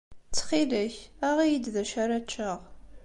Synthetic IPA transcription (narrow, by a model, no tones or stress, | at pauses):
t͡sχiləçaʁijid̪ðæʃaɾat͡ʃʰːəʁ